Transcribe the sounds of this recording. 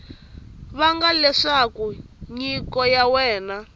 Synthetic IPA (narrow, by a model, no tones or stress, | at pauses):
βaŋɡalɛʂakuɲikɔjawɛːna